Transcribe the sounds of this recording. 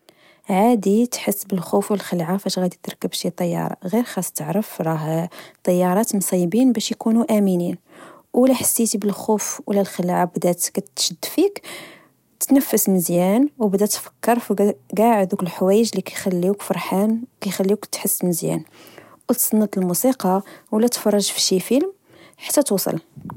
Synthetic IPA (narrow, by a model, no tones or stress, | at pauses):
ʕad̪it̪ħəsːbəlxufwəlxəlʕafæʃɣæd̪it̪ɾˤkːəbʃit̪ˤɑjːɑ̰ɾˤɑ̰ɣiɾxɑsˤt̪əʕɾəfɾˤɑht̪ˤːɑjːɑɾˤɑt̪msˤijbinbæʃjkunuʔæminin | wlæħasːit̪ibəlxufwlːælxəlʕabd̪æt̪kæt̪t̪ʃəd̪ːfik | t̪nəfːəsməzjænwbd̪æt̪fə̥kːəɾˤfɡæʕəd̪ukəlħwæjəʒlikæjxælːikfɑɾˤħankæjxælːikt̪ħəsːməzjæ̰n | wəlt̪sˤɑnːət̪ˤəlmusiqɑwlːæt̪fɑrˤːɑʒfi̥ʃifilm | ħḁt̪ːæt̪usˤɑ̰l